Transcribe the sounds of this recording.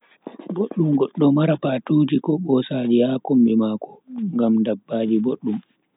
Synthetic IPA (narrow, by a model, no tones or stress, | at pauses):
boɗːumɡɔɗːɔmaɾapatuːd͡ʒikɔɓɔsaːd͡ʒijakombimakɔ̥ŋɡamdabːaːd͡ʒiboɗːum